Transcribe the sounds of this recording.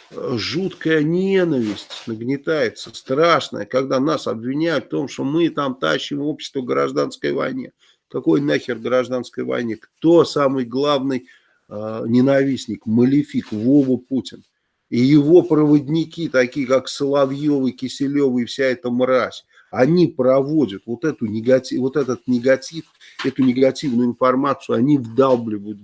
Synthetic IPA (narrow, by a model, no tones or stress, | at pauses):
ʐut̪kəjənʲe̞nəvʲɪsʲtʲnəɡnʲɪt̪ajɪt̪səst̪ɾaʂnə̰jəkaɡd̪anasɐbvʲɪnʲæjʊt̪ft̪o̞mʂt̪o̞mɨt̪amt̪a̰ɕːɪmopɕʲːɪ̥st̪vəɡɾaʐd̪anskəjvɐ̰jnʲḭ | kɐko̞jnaxʲɪrɡɾɐʐd̪anskəjvɐ̰jnʲikt̪o̞samɨjɡlˠavnɨj | nʲɪnavʲisʲnʲɪkməlʲɪfʲikvovəputʲɪn | ijɪvo̞pɾəvədʲnʲɪkʲit̪ɐkʲijəkaksəlˠɐvjo̞vɨjkʲɪsʲɪlʲo̞vɨjfsʲaɛt̪əmɾasʲ | ɐnʲipɾɐvo̞dʲət̪vo̞t̪ɛt̪ʊnʲɪɡɐtʲivo̞t̪ɛt̪ət̪nʲɪɡɐtʲif | ɛt̪ʊnʲɪɡɐtʲivnʊjʊɪnfɐrmat̪sɨʊɐnʲivd̪alˠblʲɪvud̪